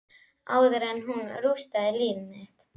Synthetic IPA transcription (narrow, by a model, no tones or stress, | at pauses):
aːwðʏɾɛnːɦunɾust̪aðɪliːvmɪht̪